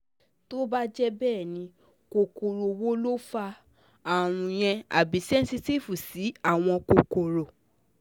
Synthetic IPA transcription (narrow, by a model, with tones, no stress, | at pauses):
to˦ba˦d͡ʒɛ˦bɛː˦˨nĩ˧ | ko˧ko˨ɾo˨wo˦lo˦fa˧ | a˨ɾ̃ũ˧j̃ɛ̃˧a̰˨bi˨˦sɛ˦n̩˦si˦˧ti˦˨fu˨si˨˦a˦˨w̃ɔ̃˧ko˨ko˨ɾo˨